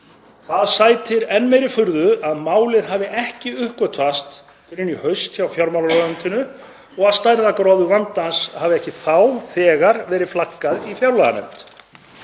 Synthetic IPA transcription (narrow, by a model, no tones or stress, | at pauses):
θaðsaːjt̪ʰɪɾɛnːmejɾɪfʏɾðʏaðmaːwlɪɾ̥ɦaːvɪʔɛhcɪʏhkvœt̪ʰfvast̪ | fɪɾɪnːihœɥst̪çawfjawɾmawlaɾɔʏnt̪ɪnʏ | ɔɣaðst̪ajɾðakɾɔðʏvant̪anshaːvɪɛhcɪθawθɛːɣaɾvɛːɾɪðflakːaðifjawɾlaɣa̰nɛ̰mt̪